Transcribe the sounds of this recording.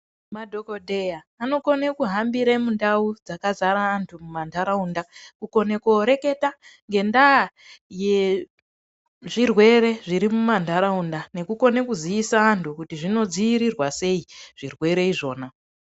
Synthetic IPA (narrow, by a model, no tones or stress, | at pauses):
madʱo̞ko̞dʱe̞jaːno̞ko̞nekuɦambiɾemundaud͡zakazaɾaːntʰumumandaɾaundakuko̞nekoɾe̞ke̞taŋɡe̞nda | je | ʐirwe̞ɾe̞ʐiɾimumandʱaɾaundane̞kuko̞ne̞kuziisaːntʰukutiʐino̞d͡ziiɾirwase̞iʐ̥irwe̞ɾe̞iʐo̞ːna